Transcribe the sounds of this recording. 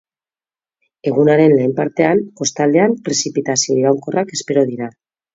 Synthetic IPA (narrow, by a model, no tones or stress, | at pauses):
e̞ɣ̞unaɾe̞nleːmpaɾt̪e̞anko̞st̪ald̪e̞ampɾe̞sipit̪asio̞iɾawŋko̞rake̞spe̞ɾo̞ð̞iɾa